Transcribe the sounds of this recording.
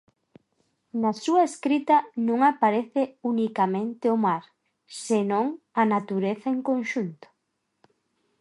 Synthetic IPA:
nasuɐeskɾit̪ɐnũŋapaɾeθɪunikamẽnt̪eʊmaɾ | senõŋ | anat̪uɾeθaeŋkonʃunt̪ʊ̥

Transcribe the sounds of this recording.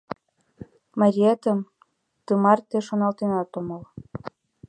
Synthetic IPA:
mɑɾʲiɑt̪əm | t̪ɯmɑrt̪eʃonɑlt̪enɑt̪omɤl

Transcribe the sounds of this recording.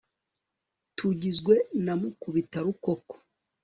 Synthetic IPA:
tʰuɟizɡwe̞namukuβitaɾukoko̥

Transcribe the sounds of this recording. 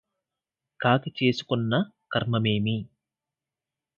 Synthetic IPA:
kaːkit͡ʃeːsu̥kunːɐ | kɐɾmɐmeːmi

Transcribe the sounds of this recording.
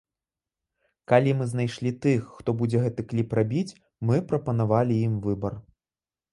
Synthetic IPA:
kalʲimɨzn̪ajʂlʲit̪ɨxːt̪ɔbud͡zʲɛɣɛt̪ɨklʲiprabʲit͡sʲ | mɨpɾɐpɐnavalʲijimvɨbɐr

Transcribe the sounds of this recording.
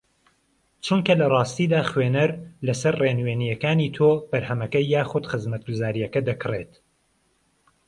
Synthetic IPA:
t͡ʃʰuŋkɐlɐrˤɑːst̪iːd̪aːxweːnɐɾlɐsɐɾreːnweːnijɐkaːniːt̪ʰoːb̥ɐɾhɐmɐkɐjːaːxʊd̪xɨzmɐt̪̚ɡuzaːɾijɐkɐd̪ɐkʰɨret̪

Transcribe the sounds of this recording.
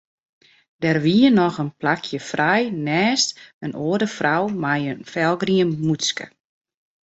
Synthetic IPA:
dɛrʋiənɔxənplakʰjəfrɛjnɛːstənʔoədəfrawmajənfɛlˠɡriənmuskə̰

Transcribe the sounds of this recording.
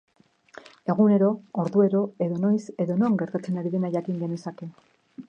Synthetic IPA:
e̞ɣune̞ɾooɾðue̞ɾo̞e̞ðo̞no̞jse̞ðo̞noaŋɡe̞ɾt̪at͡se̞naɾiðe̞najakiŋɡe̞nuesake̞

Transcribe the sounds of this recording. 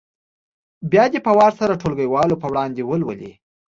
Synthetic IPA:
bjɑd̪əpawɑɾsaɾaʈʰolɡəjwɑlopəwɽɑnd̪ewəlwə̰lḭ

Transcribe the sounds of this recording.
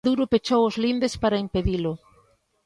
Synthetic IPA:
ðuɾʊpet͡ʃowʊzlind̪espaɾaimpeðilʊ

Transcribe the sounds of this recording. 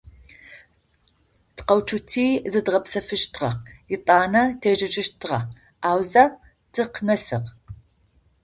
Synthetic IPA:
tqɐwt͡ʃʰutʰiːzɨdʁɐpsɐfɨʃtʰʁɐ̰qjɪtʼɑːnɐtʰeːʒɐʒʼɪʃtʰʁɐ | aːwzɐ | d̥ɨqnɐsɨ̰q

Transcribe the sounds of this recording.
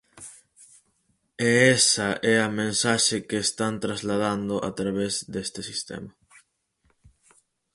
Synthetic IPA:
eɛsɐʔɛɐmẽnsaʃɪkeːst̪ant̪ɾazlað̞and̪ʊʔa̰t̪ɾaβezd̪est̪ɪsist̪ɛ̰mɐ

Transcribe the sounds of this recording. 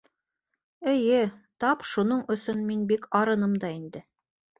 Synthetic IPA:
ɘ̆jɘt̪ɑpʃunoɴɵ̆sɵnminbikɑɾɤ̆nɤmd̪ɑind̪ɘ

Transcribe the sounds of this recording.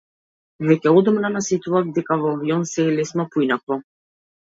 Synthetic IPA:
vɛcɛɔd̪ɔmnanasit̪uvavd̪ɛkavɔaviɔnsɛːlɛsmɔpuinakvˠɔ

